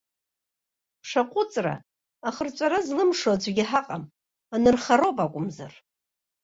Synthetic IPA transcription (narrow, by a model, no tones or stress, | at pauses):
pʰʂaqʷʼʊt͡sʼra̰ | aχərt͡ʃʷʼaɾazlɨmʂod͡ʒʷaɡʲɪħaqʼam | anɨrχaɾopʼakʷʼʊmza̰r